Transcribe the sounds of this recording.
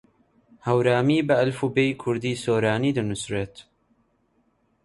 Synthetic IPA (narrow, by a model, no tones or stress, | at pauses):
hɐwɾaːmiːbɐɐlfubeːjkʰʊɾd̪iːsoːɾaːniːd̪ɨnʊsreːt̪